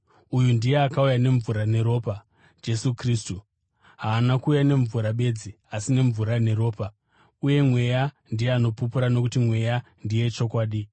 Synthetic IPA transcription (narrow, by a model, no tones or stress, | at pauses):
ujundije̞akaujane̞ɱvuɾane̞ɾo̞ːpa | d͡ʒe̞sukriːstu | ɦaːnakuːjane̞ɱvuɾaɓe̞d͡zi | asine̞ɱvuɾane̞ɾo̞ːpa | uje̞mwe̞ja | ndijeano̞pupuɾano̞kutimwe̞ja | ndije̞t͡ʃo̞kwaːɗi